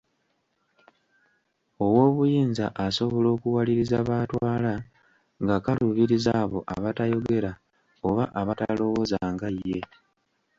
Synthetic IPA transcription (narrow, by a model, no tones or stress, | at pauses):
o̞wo̞ːβujiːnza̰ʔaso̞βo̞lo̞ːkuwaliɾizaβaːtwaːla | ŋɡakaluβiɾizaːβo̞̰ʔa̰βatajo̞ɡe̞ɾa | o̞βaʔaβata̰lo̞wo̞zaːŋɡajːe̞